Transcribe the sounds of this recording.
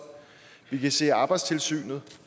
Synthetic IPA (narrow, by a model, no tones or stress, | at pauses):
ʋikʰæse̝̰ːɑ̈ːb̥ɑ̈ɪd̥st͡sʰe̝lsy̰ːnð̞̩ˠ